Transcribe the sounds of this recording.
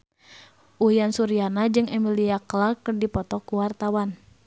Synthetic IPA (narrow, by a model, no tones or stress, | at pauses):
ʔuijansuɾianad͡ʒɨŋɛmiliaklakərdipɔt̪ɔkuwart̪awan